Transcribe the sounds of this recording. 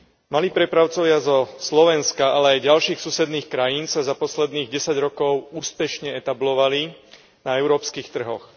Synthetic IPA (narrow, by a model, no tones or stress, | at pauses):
maliːpɾɛpɾaʊt͡sɔʋɪazɔslɔʋɛnskaalɛajɟalʃiːxsuːsɛd̪niːxkɾajiːnsazapɔslɛd̪niːɣɟɛsaɟɾɔkɔʊuːspɛʃɲɛɛt̪ablɔʋali | naɛʊɾɔːpskiːxt̪r̩ɦɔx